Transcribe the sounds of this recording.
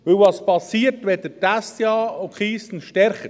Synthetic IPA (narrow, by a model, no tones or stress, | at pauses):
ʋɵlʋɑspɑsiːəɾtʋɛdətæstjɑːokχiːstn̩ʃtɛɾχə